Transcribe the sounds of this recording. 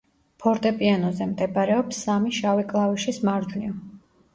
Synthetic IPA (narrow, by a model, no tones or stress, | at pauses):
pʰɔɾt̪ʼɛpʼianɔzɛmd̪ɛbaɾɛɔpsːamiʃavikʼlˠaviʃismaɾd̪niɔ